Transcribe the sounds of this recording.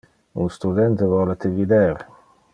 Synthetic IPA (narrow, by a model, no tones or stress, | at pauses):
ṵnst̪ud̪ɛnt̪evɔlet̪evid̪ɛɾ